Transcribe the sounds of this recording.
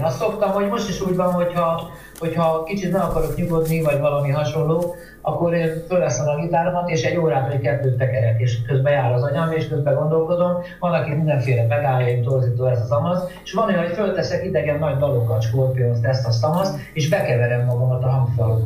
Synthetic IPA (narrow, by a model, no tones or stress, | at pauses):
nɒst̪so̞pt̪ɒmho̞ɟmo̞ʃt̪iʃuːɟbɒnɦo̞chɒ | ho̞chɒkit͡ʃit̪nɛɒkɒɾo̞kɲuɡo̞d̪nivɒɟvɒlɒmiɦɒʃo̞nloː | ɒkːo̞ɾeːnfølvɛsɛmɒlit̪aːɾomɒt̪eːʃɛɟːoːɾaːvɒjkɛzd̪øːt̪ɛkɛɾɛt̪eːʃkøzbɛjaːɾɒzɒɲɒiʃkøzbɛɡo̞nd̪o̞lko̞d̪o̞m | vɒnɒkimind̪ɛɱfeːlɛbɛɡ̪aːɒit̪o̞rziːt̪oːɛzɒzɒmɒseʃʋɒnɛocfølt̪ɛsɛkid̪ɛɡɛnːɒɟd̪ɒlo̞kːɒt͡ʃkoːrpionzt̪ɛst̪ɒsɒmɒst̪ | eːʃbɛkɛvɛɾɛmːɒɡɒmɒt̪ɒɦɒŋfol